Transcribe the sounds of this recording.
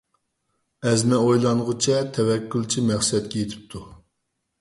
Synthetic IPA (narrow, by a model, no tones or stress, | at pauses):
ɛzmɛojlˠɑnʁʊt͡ʃʰɛt̪ʰɛvɛkʲːylˠt͡ʃʰimæχsɨɛt̪̚kʲɛjet̪ʰɪ̥p̚t̪ʰu